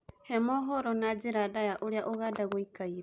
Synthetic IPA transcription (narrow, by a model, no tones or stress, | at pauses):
hɛmɔɦɔɾɔnad͡ʒiɾadajaʔoɾejaʔoɣadaɣoikaiɾe